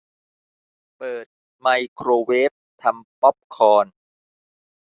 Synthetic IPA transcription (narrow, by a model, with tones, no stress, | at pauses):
pɤː˨˩t̪̚ | ma˧jkʰɾoː˧weː˦˥p̚t̪ʰa˧mpɔ˦˥p̚kʰɔː˧n